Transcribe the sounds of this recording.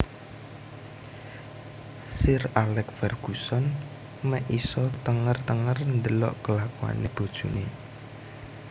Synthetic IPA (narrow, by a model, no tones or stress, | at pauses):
sɪralɛkfɛrɡ̥usɔn | mɛʔisɔt̪əŋərt̪əŋərnd̪əlɔ̰ʔkəlakua̰neb̥o̤d̥ʒ̥une